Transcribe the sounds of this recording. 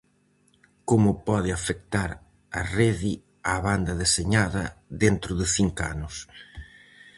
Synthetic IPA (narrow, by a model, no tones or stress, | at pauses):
komʊpɔðɪafek̚t̪aɾ | ɐreði | aβand̪ɐðeseɲaðɐðent̪ɾʊðɪθiŋka̰nʊs